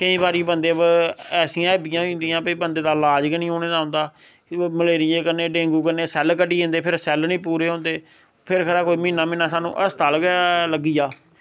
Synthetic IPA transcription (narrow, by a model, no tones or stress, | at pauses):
kəĩːbaːɾiːbənd̪eːbɛːsɪ̃jãːəbɪjãːõːnd̪ijãːpəiːbənd̪eːd̪aːlaːd͡ʒkənĩːɦoːneːd̪aːɦʊ̃nd̪aː | məleːɾɪjeːkəɾneːɖẽːŋɡuːkəɾneːsɛlkəʈiːɦõnd̪eːpʰɪɾsɛlnĩːpuːɾeːɦõːnd̪eː | pʰɪɾkʰəɾaːkoːiːmĩːnːaːmɪ̃naːsaːnṵ̃ːʔəst̪aːlkləɡijaː